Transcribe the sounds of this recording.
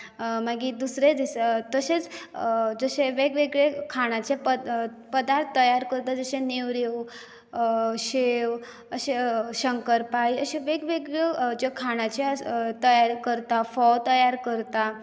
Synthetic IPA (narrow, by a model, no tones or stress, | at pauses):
maɡid̪usɾed̪ist̪əset͡s | d͡zəɕeʋeɡʋeɡɭekʰaɽ̃at͡ɕepə | pəd̪aɾt̪ʰt̪ːəjaɾkəɾt̪ad͡zəɕẽneʋɾew | ɕew | əɕeɕəŋkəɾpaiəɕeʋeɡʋeɡɭed͡ʑekʰaɽ̃at͡ɕet̪əjaɾkəɾt̪afɔwt̪əjaɾkəɾt̪a